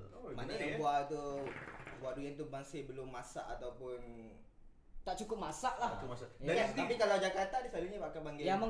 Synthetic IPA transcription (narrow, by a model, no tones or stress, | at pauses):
manaabuat̪u | buaʔduɡant̪ubaŋsebəlʊmːasa̰ʔat̪awpʊn | t̪aʔt͡ʃukʊp̚masaʔlahkmasaaast̪ipikalad͡ʒakat̪andisaliɲabakabaŋɡɪjamə